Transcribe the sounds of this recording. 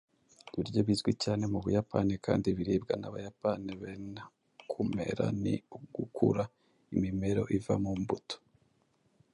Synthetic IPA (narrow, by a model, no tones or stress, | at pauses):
βiɾɟo̞βizɡwicaːne̞muβujapa̰nikaːndiβiɾiːbɡanaβajapaniβena | kʰume̞̰ɾa̰nḭuɡukʰṵɾa | imime̞ɾo̞̰ʔiva̰muːmbuto̥